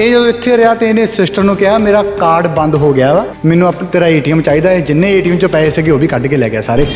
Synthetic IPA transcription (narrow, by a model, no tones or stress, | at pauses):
eːd͡ʒəd̪õːɪt̪ʰːeːɾɪaːt̪eːɪnẽːsɪsʈəɾnũːkɪɦaːmeːɾaːkaːɾɖbə̃nd̪ɦoːɡɪaːʋɛː | mɛːnũːəpt̪eːɾaːeːʈiːəmt͡ʃaːiːd̪aːeːd͡ʒɪnːẽːeːʈiːəmt͡ʃõːpɛːseːɡeoːbiːkəɖkeːlɛːɡɪaːsaːɾeː